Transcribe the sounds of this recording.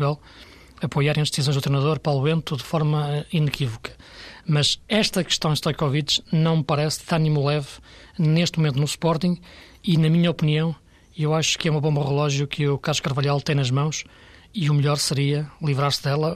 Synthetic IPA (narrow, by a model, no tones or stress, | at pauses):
ɣɛlˠ | ɐpojaɾ̃ɐʒd̪sizõj̃ʒd̪ut̪ɾejnɐðoɾpɾɔlˠuẽnt̪uðɨfɔɾmɐinɨkivukɐ̥ | mɐʃɛʃt̪ɐkɨ̥ʃt̪ɐ̃w̃d̪t̪ɔjkɔvit̪ʒnɐ̃w̃mpɐɾɛsðanĩmulˠɛvneʃt̪mumẽnt̪unuspɔɾt̪ĩɡ | inɐmiɲɐɔpniɐ̃w̃ | ewaʃu̥kɛumɐβõmbɐʁɨlˠɔʒjukʰɨukaɾʁuʃkɐɾvɐʎalˠt̪ɐ̃j̃nɐʒmɐ̃w̃ʃ | iumʎɔɾsɨɾiɐlˠivɾaɾsðɛlˠɐ